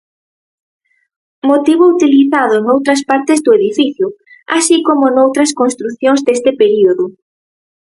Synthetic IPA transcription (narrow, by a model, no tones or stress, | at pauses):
mot̪iβʊut̪iliθaðʊnowt̪ɾɐs̬paɾt̪ɪzd̪ʊeðifiθjʊ | asikomʊnowt̪ɾɐskõnst̪ɾuθjõŋzd̪est̪ɪpeɾioðʊ